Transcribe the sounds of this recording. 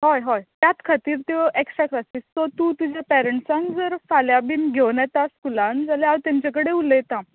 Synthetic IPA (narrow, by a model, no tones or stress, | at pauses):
ɦɔjɦɔjt̪jat̪kʰat̪iːɾt̪eeksakʈasiːst̪ɔt̪ut̪ud͡ʑepɛɾəɳʈsãŋɡd͡zəɾfaljabinɡʱeʋnat̪askulãnd͡zaleawt̪jaɲt͡ɕak̬əɽeulet̪ã